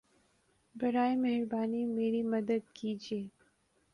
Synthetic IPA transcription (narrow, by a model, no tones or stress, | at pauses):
bɐɾaːimɛɦɾbaːnimeːɾimɐd̪əd̪̚kiːd͡ʒieː